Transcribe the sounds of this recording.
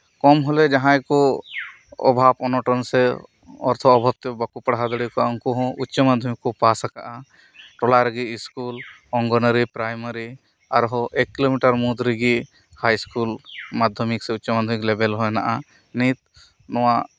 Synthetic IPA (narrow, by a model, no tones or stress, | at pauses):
kɔmɦɔled͡ʒɐɦãjkɔ | ɔ̰bʱapɔnɔʈɔnse | ɔ̰ɾt̪ʰɔːbʱab̚t̪ebakupɐɽɦad̪ɔɽikɔɔŋkuɦɔ̃utːʃɔmad̪ʱjəmikːɔpasaka̰ʔa | ʈɔlaɾɡiːskul | ɔŋɡɔnəɾipɾajməɾi | aɾɦɔʔekːilomiʈəɾmud̪ɾiɡi | hajskulmad̪ʱjɔmikseutːt͡ʃɔmad̪ʱjəmiklebɛlɦɔjna̰ʔa | nit̪ | nɔwa